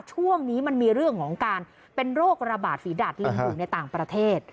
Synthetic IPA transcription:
t͡ɕʰu˥˩əŋniː˦˥ma˧nmiː˧ɾɯ˥˩əŋkʰɔː˩˦ŋkaː˧n | pe˧nɾoː˥˩k̚ɾa˧baː˨˩t̪̚fiː˩˦da˨˩t̪̚li˧ŋbuː˨˩˨na˧jt̪aː˨˩ŋpɾa˧t̪ʰeː˥˩t̪̚

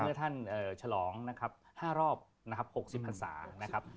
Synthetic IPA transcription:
ɐt̪ʰa˥˩nʔɤː˨˩t͡ɕʰa˧lɔː˩˦ŋna˦˥kʰa˦˥p̚haː˥˩ɾɔː˥˩p̚ | na˦˥kʰa˦˥p̚ho˨˩k̚si˨˩pʰːa˧nsa̰ː˩˦na˦˥kʰɾa˦˥p̚

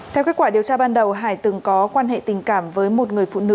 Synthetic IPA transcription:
t̪ʰɛ˧wke˦˥t̚kwːɗi˨˩əwt͡ɕaː˧ɓaː˧nɗə˨˩wɦa̰ː˧˩jt̪ɨ˨˩ŋkɔ˨˦kwaː˧nɦḛ˧˨t̪ï˨˩ŋ̟kaː˧˩mvəː˨˦jmo˨˩t̚ŋɨ˨˩əjfṵ˧˨nɨ̰˧˨

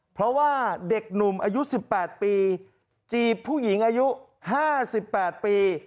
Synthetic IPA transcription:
pʰɾɔ˦˥waː˥˩de˨˩k̚nu˨˩mʔaː˧ju˦˥si˨˩pːɛː˨˩t̪̚piː˧ | t͡ɕiː˧˩pʰːuː˥˩ji˩˦ŋʔaː˧ju˦˥ | haː˥˩si˨˩pːɛː˨˩t̪̚piː˧

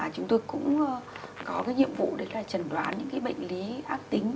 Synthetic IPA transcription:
a˨˩t͡ɕʊ˨˦ŋ͡mt̪o˧jkʊ̰˧˥ŋ͡m | kɔ˨˦kaː˨˦jɲḭ˧˨əmvṵ˧˨ɗe˨˦laː˨˩t͡ɕə˨˩nɗwaː˨˦nɲɨ̰˧˥ŋkaː˨˦jɓə̰˧˨jŋ̟li˨˦ʔaː˦˥k̚t̪ï˨˦ŋ̟

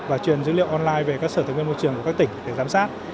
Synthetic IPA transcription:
vaː˨˩t͡ɕwi˨˩ənzɨ̰˧˥lḭ˧˨əwʔɔ˧nlaː˧jve˨˩kaː˦˥k̚səː˧˩˨ŋwmo˧jt͡ɕɨ˨˩əŋku˧˩kːa˦˥t̪ï˧˩ŋ̟ɗe˧˩zaː˨˦msaː˦˥t̚

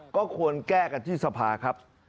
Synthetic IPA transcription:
kɔː˥˩kʰu˧ənkɛː˥˩ka˧˩t̪ʰiː˥˩sa˧pʰaː˧kʰa˦˥p̚

